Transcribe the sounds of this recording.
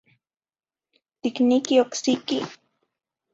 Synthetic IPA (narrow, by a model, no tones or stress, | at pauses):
t̪iknikioksiki